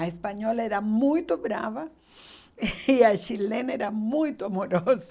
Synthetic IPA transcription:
ɐespaɲɔlɛɾɐmũjt̪ʊbɾa̰vɐ | iɐʃilenɐeɾɐmũjt̪ʊamoɾoz

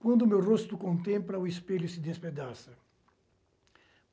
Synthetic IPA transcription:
kwɐ̃nd̪ʊmewrost̪ʊkõnt̪ẽmplɐuespelʊsɪd̪esped̪asɐ

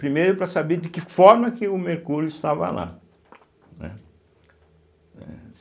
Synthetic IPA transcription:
pɾimejɾʊpɾɐsabeɾd̪ɪkɪfɔɾmɐkɪʊmeɾkuɾjʊɪst̪avɐ̰la̰ | nɛ̰ | ɛ̰

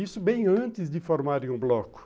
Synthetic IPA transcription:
isʊbẽj̃ɐ̃nt̪ɪzd̪ɪfoɾmaɾẽj̃ũblɔkʊ̥

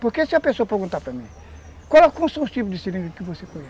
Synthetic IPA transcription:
poɾkesiopẽsopeɾɡũnt̪apɾɐmĩ | kalɛkõsust̪ip̬ud̪isiɾĩŋɡkivosekoja

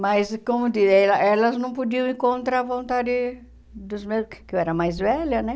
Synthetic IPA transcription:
mɐjskõmʊd̪izɛlɐʔɛlɐznɐ̃w̃pod͡ʒ̪iɐ̃w̃ẽŋkõnt̪ɾaɐvõnt̪ad̪ɪ | d̪ʊzmekeɛɾɐmajzvɛlɐnɛ

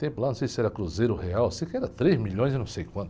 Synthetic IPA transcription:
t̪ẽj̃pʊlanɐ̃sejsɪɛɾɐkɾuzejɾʊheawsikɛɾɐt̪ɾezmiʎõj̃zɪnɐ̃w̃sejkwɐ̃nt̪ʊ

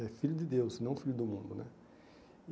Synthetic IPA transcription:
ɛfiʎʊd̪ɪd̪ewsɪnɐ̃fiʎʊd̪ʊmũnd̪ʊnɛ

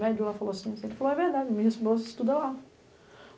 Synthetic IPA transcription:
mɛd͡ʒulafaloɐsĩsẽpɪfaloɛveɾd̪ad͡ʒɪmɪhesbozɪst̪ud̪ɐla

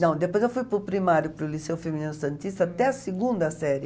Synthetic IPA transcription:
nɐ̃w̃d̪epojzewfujpʊɾpɾimaɾjʊpɾʊlisewʊfemininʊsɐ̃nt̪ist̪ɐat̪ɛɐsiɡũnd̪ɐsɛɾjɪ

